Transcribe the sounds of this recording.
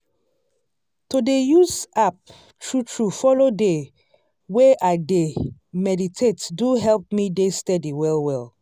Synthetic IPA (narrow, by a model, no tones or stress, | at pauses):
todejuzap̚ | tʰɹutɹufɔlode | weʔaɪdemɛditʰetduɦɛlp̚midestɛdiwɛlwɛl